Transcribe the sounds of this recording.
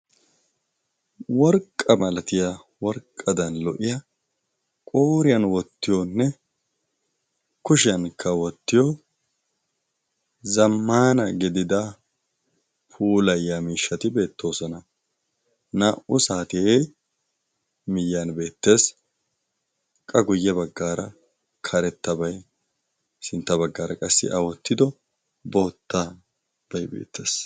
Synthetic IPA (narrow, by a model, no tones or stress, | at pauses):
wɔɾkʼːɐmɐlɐt̪ɪja | wɔɾkʼːɐd̪ɐnlɔʔɪjɐ | kʼo̞ːɾɪjɐnwɔt̪ːɪjonːɛ | kʊʃɪjɐnkʰːɐwɔt̪ːɪjɔ | zɐmːaːnɐɡɪd̪ɪd̪ɐ | pʰuːlɐjːamiːʃːɐt̪ɪbe̞ːt̪ːo̞ːsɔnɐ | naːʔʊsaːt̪ɪe | mɪjːanbe̞ːt̪ːe̞ːs | kʼɐɡʊjːɛbɐɡːaːɾɐ | kʰɐɾɛt̪ːɐbɐj | sɪnt̪ːɐbɐɡːaːɾɐkʼɐsːɪ̰ʔɐwɔt̪ːɪd̪ɔ | bo̞ːt̪ːa | b̥ɐjbḛːt̪ːe̞ːs